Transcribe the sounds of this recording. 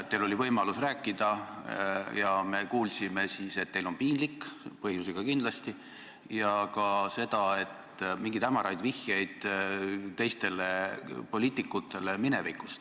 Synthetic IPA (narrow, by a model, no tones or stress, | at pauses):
t̪ːelo̞livɤjmɑlusræːkːˑid̪̥ɑ | jɑme̞kuːlsime̞siːse̞t̪̚ːe̞jlo̞npiːnlikːpɤhjusiɡ̥ɑkind̥̪lɑst̪i | jɑkɑse̞d̪̥ɑe̞t̪miŋɡ̥it̪æmɑɾɑjd̪vihjejd̪̥ | t̪e̞jst̪e̞lepo̞liːt̪ːˑikːˑut̪ːˑe̞le̞mine̞vikːˑust̪